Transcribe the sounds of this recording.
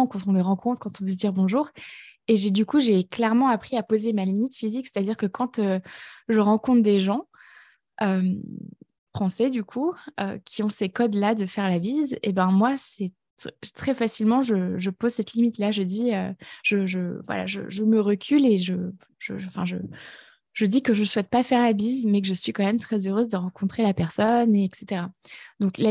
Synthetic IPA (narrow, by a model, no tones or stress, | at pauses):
kɑ̃t̪ɔ̃ləʁɑ̃kʰɔ̃t̪χkɑ̃t̪ɔ̃vəs̬d̪iʁbɔ̃ʒuːʁeʒed̪ykuʒeklɛʁmɑ̃apχiapozemalimit̪fizikse̥t̪ad̪iʁkəkɑ̃t̪øʒəʁɑ̃kɔ̃t̪d̪eʒɑ̃ | øm | fχɑ̃sɛd̪ykʰuø̰kʲʰiɔ̃sekɔd̪lad̪əfɛʁlavizḛbɛ̃mwasɛ | t̪χɛfasilmɑ̃ʒəʒəpozsɛt̪limit̪laʒəd̪iøʒ̥əʒəvwa̰la̰ʒə̰ʒəməʁəkʲʰyleʒə | ʒ̥ə̰ʒɑ̃fɛ̃ʒə̰ | ʒəd̪ikəʒəswɛt̪̚pafɛʁlabizmɛk̬əʒəsɥikɑ̃mɛmt̪χɛzøʁøzd̪əʁɑ̃kɔ̃t̪χelapɛʁsɔneɛkset̪eʁad̪ɔ̃kla